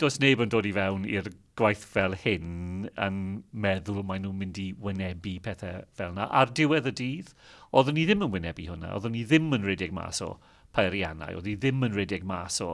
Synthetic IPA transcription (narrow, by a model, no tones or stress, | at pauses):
d̥oːsnejbəndoːdivɛwnḭrɡ̥wajθvɛlˠhɪnə̰nmɛðʊlˠmajnuːmɪndiwɪnɛbipʰɛθɛvɛlˠnaʔardɪwɛðədiːðɔðɔniðɪmənwɪnɛbiɦʊna̰ɔ̰ðʊniðɪmənrɛdɪɡ̚ma̰ːsɔ̰ | pʰajɾjana̰jɔ̰ðiðɪmənrɛdɪɡmaːsɔ̰